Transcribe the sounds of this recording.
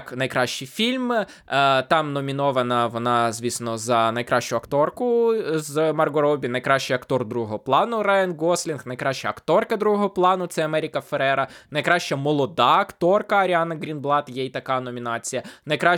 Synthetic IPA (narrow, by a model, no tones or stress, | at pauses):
knɐjkɾɑʃt͡ʃɪjfʲilʲm | t̪ɑmnɔmʲinɔʋɐnɐʋɔnɑzʲʋʲisnɔzɐnɐjkɾɑʃt͡ʃʊɐkt̪ɔrkʊzmɐrɡɔɾɔbʲinɐjkɾɑʃt͡ʃɪjɐkt̪ɔrd̪ɾuɦɔɦɔɦɔplˠɑnʊɾɛnɡɔslʲinxnɐjkɾɑʃt͡ʃɐɐkt̪ɔrkɐd̪ɾuɦɔɦɔplˠɑnʊt̪sɛɐmɛɾʲikɐfeɾɛɾɐnɐjkɾɑʃt͡ʃɐmɔlˠɔd̪ɑɐkt̪ɔrkɐɐɾʲiɑnɐɡɾʲinblˠɑt̪jɛjit̪ɐkɑnɔmʲinɑt͡sʲijɐnɐjkɾɑ